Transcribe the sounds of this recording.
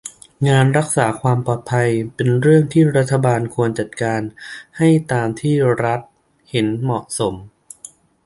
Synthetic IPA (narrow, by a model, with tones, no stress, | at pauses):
ŋaː˧nɾa˦˥k̚saː˩˦kʰwaː˧mpɔː˨˩t̪̚pʰa˧jpe˧nɾɯ˥˩əŋt̪ʰiː˥˩ɾa˦˥t̪ʰːa˧baː˧nkʰu˧ənt͡ɕa˨˩t̪̚kaː˧nha˥˩jt̪aː˧mt̪ʰiː˥˩ɾa˦˥t̪̚ | he˩˦nmɔ˨˩ʔso˩˦m